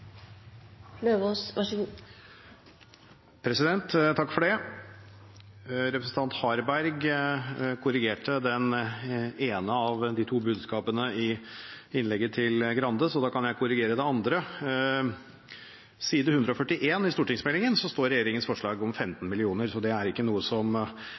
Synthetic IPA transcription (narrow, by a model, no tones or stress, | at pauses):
løːʋoːsʋɑʂɡu | pʰɾɛsɪd̪ɛnt̪t̪ʰːɑkːfɔɖɛ | ɾɛpɾəsn̩t̪ɑnt̪hɑɾbæɾɡ | kʰʊɾɪɡeːʈəd̪ɛn | eːnəɑʋd̪ɪt̪ʰuːbʉːd̪skɑːpənəɪɪnlɛɡːət̪ʰɪlɡɾɑnd̪əsɔd̪ɑːkʰɑnjæɪkʰʊɾɪɡeːɾəd̪ɛɑnd̪ɾə | siːd̪əhʉnd̪ɾəɔfœʈːɪʔeːnɪst̪uːʈɪŋsmɛlɪŋənsɔst̪oːɾɛjeːɾɪŋənsfɔʂɭɑːɡɔmfɛmt̪n̩mɪlɪuːnəɾsɔd̪ɛæɾɪkːənuːəsɔm